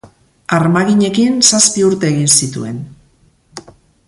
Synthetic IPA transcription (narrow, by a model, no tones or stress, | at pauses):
aɾmaɣiɲe̞kinsaspiuɾt̪e̞ːɣinsit̪ṵe̞̰n